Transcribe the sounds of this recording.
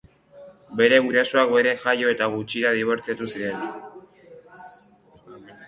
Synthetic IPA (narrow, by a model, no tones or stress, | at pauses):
be̞ɾe̞ɣuɾasoak̚be̞ɾe̞ʝajo̞e̞t̪aɣ̞ut͡ʃiɾaðiβ̞o̞ɾt͡siat̪usiɾe̞n